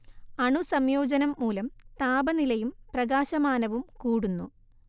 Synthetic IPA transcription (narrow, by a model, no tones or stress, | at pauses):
ɐɳusɐmjo̞ːd͡ʑɐnɐmːuːlɐmt̪aːbɐnilɐjumprɐɣaːɕɐmaːnɐʋumkuːɽunːu